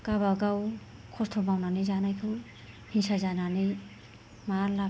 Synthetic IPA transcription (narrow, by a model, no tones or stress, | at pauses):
kaβaɡaw | kʰɔstʰɔmawnanizanajkʰɯw | hinsazananij | mala